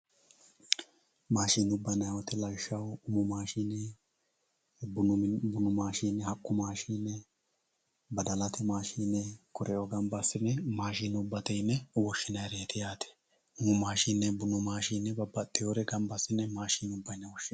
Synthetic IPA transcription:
maːʃiːnʊbːɐnɐjwɔt̪ɛlɐjʃːɐwʊmʊmaːʃinːɛ | bʊbʊnʊmaːʃiːnːɛhɐkʼːʊmaːʃinːɛ | bɐd̪ɐlɐt̪ɛmaːʃiːnːɛkɔɾɛʔoɡɐmbɐsːɪnːɛmaːʃiːnʊbːɐt̪ɛjnːɛwɔʃːɪnɐjɾeːt̪ɪjaːt̪ʰɛ̥ | ʊmʊmaːʃiːnːɛbʊnʊmaːʃiːnːɛbɐbːɐt̪ʼːɪjoːɾɛɡɐmbɐsɪnːɛmaːʃiːnʊbːɐjnːɛwɔʃːɪ

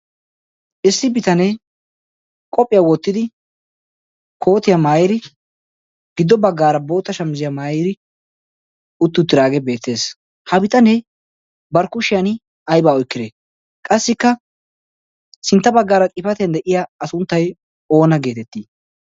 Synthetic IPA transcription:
ʔɪsːɪbɪt̪ɐnɛ | kʼɔpʼːɪjawɔt̪ːɪd̪ɪ | kʰo̞ːt̪ɪjamaːjɾɪ | ɡ̥ɪd̪ːɔbɐɡːaːɾɐbo̞ːt̪ːɐʃɐmzɪjamaːjɪɾɪ | ʊt̪ːʊt̪ːɪɾaːɡɛbe̞ːt̪ːe̞ːs | hɐbɪt̪ʼɐnɛ | bɐɾkʊʃɪjanɪ | ɐjbaːɔjkːɪd̪eː | kʼɐsːɪkːɐ | sɪnt̪ːɐbɐɡːaːɾɐkʼɪfɐt̪ɪjɐnd̪ɛʔɪjaɐsʊnt̪ːɐj | o̞ːnɐɡe̞ːt̪ɛt̪ːiː

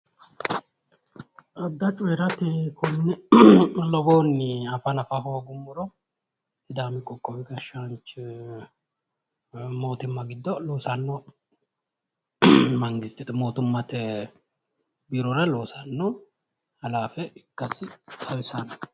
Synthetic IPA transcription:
ʔɐd̪ːɐt͡ʃʼʊɛɾɐt̪ɛkʰɔnːɛ | lɔboːnːɪɐfɐnɐfɐɦoːɡʊmːʊɾɔ | t̪ɪd̪aːmɪkʼɔkʼːɔwɪɡɐʃːant͡ʃ | mo̞ːt̪ɪmːɐɡɪd̪ːɔloːsɐnːɔ | mɐŋɡɪst̪ːɪt̪ɛmo̞ːt̪ʊmːɐt̪ɛ | biːɾɔɾɐloːsɐnːo | hɐlaːfɛɪkːɐsɪt̪ʰɐwɪsɐn

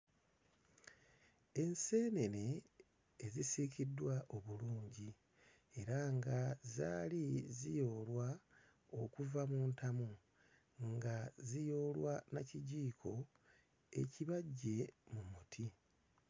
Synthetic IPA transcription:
e̞nse̞ːne̞ne̞ː | zisicidːwaʔo̞βuluːɲɟi | e̞ɾaŋɡaza̰ːlizijo̞ːlwa | o̞kuvamuːntamu | ŋɡazijo̞ːlwanaciɟiːkʰo̞ | e̞̰ciβaɟːe̞mumutʰi

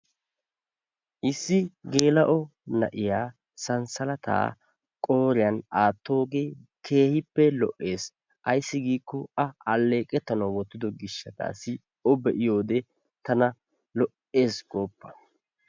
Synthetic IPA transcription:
ʔɪsːɪɡe̞ːlɐʔɔnɐ̰ʔɪjaː | sɐnsɐlɐt̪a̰ː | kʼo̞ːɾɪjɐnaːt̪ːo̞ːɡe̞ːkʰe̞ːhɪpːɛlɔ̰ʔːe̞ːs | ʔɐjsːɪɡiːkːɔɐɐlːe̞ːkʼɛt̪ːɐnɐwwɔt̪ːɪd̪ɔɡɪʃːɐt̪a̰ːsɪ | ɔbɛʔɪjo̞ːd̪ɛ | t̪ɐnɐ | lɔʔe̞ːsɡ̥o̞ːpːɐ̥

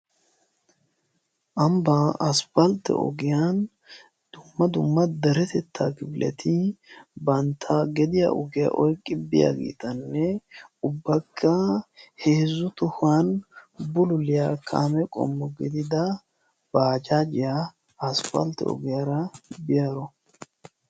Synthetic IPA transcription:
ʔɐmbɐɐspɐlt̪ɛ̰ɔ̰ɡɪjan | d̪̥ʊmːɐd̪ʊmːɐd̪ɛɾɛt̪ɛt̪ʰːaːɡɪbɪlʔɛ̰t̪ʰɪbɐnt̪ʰaɡɛd̪ɪja̰ʔɔɡɪja̰ʔɔjkʼːɪbɪ̰ja̰ɡḭːt̪ɐnːɛʊbːɐkʰːɐheːzːʊt̪ʊhanbʊlʊlɪjakʰa̰ːmɛkʼɔ̰mːɔɡɛd̪ɪd̪ɐ | b̥aːd͡ʒaːd͡ʒɪjaː | spɐ̰lt̪ɛ̰ɔ̰ɡɪjaɾɐbɪjɐɾɔ

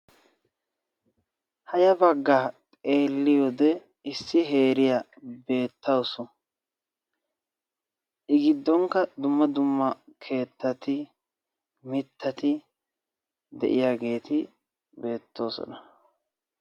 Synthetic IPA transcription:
hɐjɐbɐɡːaːt̪ʼe̞ːlːɪjɔd̪ɛ | ɪsːɪɦe̞ːɾɪjɐ | be̞ːt̪ːɐwsɔ | ʔɪɡɪd̪ːɔŋkːɐd̪ʊmːɐd̪ʊmːɐkʰe̞ːt̪ːɐt̪ɪ | mɪt̪ːɐt̪ɪ | d̪ɛ̰ʔɪ̰jaːɡe̞ːt̪ɪ | be̞ːt̪ːo̞ːsɔ̰nɐ

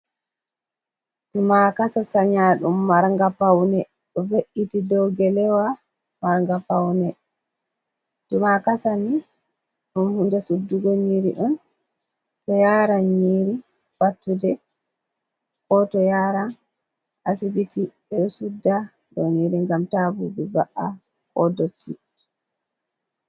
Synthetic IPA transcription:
dumakasasaɲaɗumːaɾŋɡapawnɛ | ɗɔveʔitidɔwɡɛlɛwa | maɾŋɡapawnɛ | dumakasani | ɗumhundɛsudːuɡɔɲiɾḭʔɔn | tɔjaːɾanɲiːɾi | watːudɛ | kɔtɔjaːɾan | ʔasibitiɓɛɛsudːa | dɔniɾiŋɡamtabubɛbaʔa̰ | kɔdotʰːi

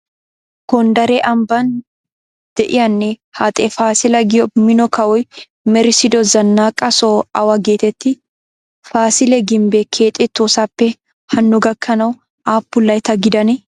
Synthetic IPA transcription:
ɡ̥ɔnd̪ɐɾeʔɐmbɐn | d̪̥ɛʔɪjɐnːehaːt̪ʼɛfaːsɪlɐɡɪjɔmɪnɔkɐwʊj | mɛɾɪsɪd̪ɔzɐnːaːkʼɐsoːɐwɐɡeːt̪ɛt̪ːɪ | faːsɪlɛɡɪmbɛkʰeːt̪ʼɛt̪ːoːsapːɛ | hɐnːʊɡɐkːɐnɐw | ʔaːbːʊlːɐjt̪ɐɡɪd̪ɐnɛ

